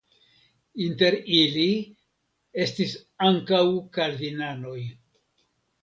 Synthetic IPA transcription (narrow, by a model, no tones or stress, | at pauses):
inte̞ɾili | e̞stisaŋkawkaɾd̪inano̞j